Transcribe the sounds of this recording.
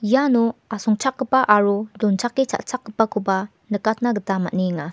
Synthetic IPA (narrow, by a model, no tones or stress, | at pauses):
januasɔŋt͡ʃʰak̚ːɯpaʔaɾudɔnt͡ʃʰakːet͡ʃʰa̰ʔt͡ʃʰak̚ːɯpakʰuba | nɯkat̚ʰnaɡətama̰t̚niŋa